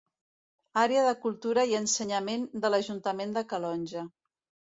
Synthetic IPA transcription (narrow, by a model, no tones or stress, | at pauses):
aɾeəðəkulˠt̪uɾəiənsəɲəmend̪ələʒunt̪əmend̪əkəlɔnʲʒə